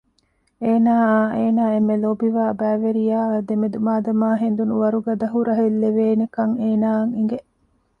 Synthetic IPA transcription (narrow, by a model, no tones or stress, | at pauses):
eːnaːeːnaːemːelobiʋaːbæːʋeɾijaːd̪emed̪umaːd̪ɐmaːɦend̪unuʋɐɾuɡɐd̪ɐɦuɾɐɦelːeʋeːnekɐŋeːnaːŋiŋɡeʔ